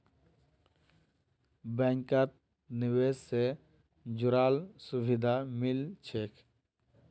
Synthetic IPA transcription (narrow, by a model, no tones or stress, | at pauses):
bɛ̃ŋkət̪̚ | nɪwesse | d͡ʒuɾaːlsubʱɪd̪ʱamɪlt͡ʃʰekʰ